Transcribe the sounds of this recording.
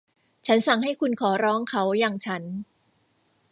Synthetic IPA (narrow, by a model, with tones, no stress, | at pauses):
t͡ɕʰa˦˥nsa˨˩ŋɦa˥˩jkʰu˧nkʰɔː˩˦ɾɔː˦˥ŋkʰa˦˥wjaː˨˩ŋt͡ɕʰa˦˥n